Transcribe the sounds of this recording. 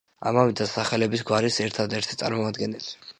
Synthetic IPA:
a̰mavɛd̪asaχɛlɛbisɡwaɾisɛɾt̪ʰad̪ɛɾt̪ʰi̥t̪sʼa̰ɾmɔmad̪ɡɛnɛli̥

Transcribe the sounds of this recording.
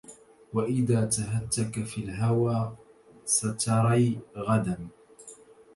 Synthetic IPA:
waʔɪðaːt̪aɦat̪ːakafilɦawaː | sat̪ʰɑɾˤiːɣad̪am

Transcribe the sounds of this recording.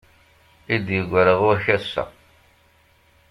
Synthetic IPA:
id̪jəɡʷəɾəʁuæçæsːæ̰

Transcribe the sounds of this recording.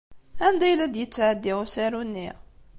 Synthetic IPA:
ænd̪æjlæd̪jət͡sːʕəd̪ːiʁusæɾunːiʁ

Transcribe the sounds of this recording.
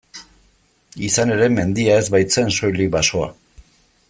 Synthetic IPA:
isane̞ɾe̞me̞nd̪iae̞zβajt͡se̞nso̞jlikβaso̞a̰

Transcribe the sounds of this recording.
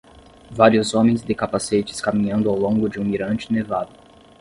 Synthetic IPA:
vaɾiʊzõmẽj̃zd̪ɪkapaset͡ʃɪ̥skamĩɲɐ̃nd̪ʊawlõŋɡʊd͡ʒɪũiɾɐ̃nt͡ʃɪnevad̪ʊ

